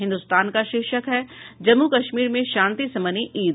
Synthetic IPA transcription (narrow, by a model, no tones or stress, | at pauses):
ɦɪ̃nd̪ust̪aːnkaʃɪkʃəkɦɛːd͡ʒɐmːukɐʃmiːɾmẽʃãːnt̪isɐməniʔiːd̪